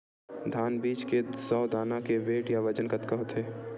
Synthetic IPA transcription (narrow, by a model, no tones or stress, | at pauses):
d̪ʱaːnbiːt͡ʃkesɔːd̪aːnakeʋeːʈjaʋɐd͡ʒənkɐt̪kəɦot̪ʰeː